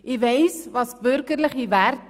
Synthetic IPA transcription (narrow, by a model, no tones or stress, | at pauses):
ivɛjsvɑsbørkərləχivært